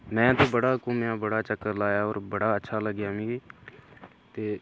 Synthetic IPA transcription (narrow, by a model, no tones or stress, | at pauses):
mɛ̃ːt̪oːbəɽaːkʊmjaːbəɽaːt͡ʃəkːəɾlaːjaːɔːɾbəɽaːətːʃʰaːləɡjaːmĩːɡeː | t̪eː